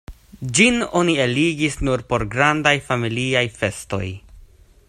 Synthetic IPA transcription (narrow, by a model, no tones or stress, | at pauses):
d͡ʒino̞nieliɡisnuɾpo̞ɾɡɾandajfamiliajfe̞sto̞̰j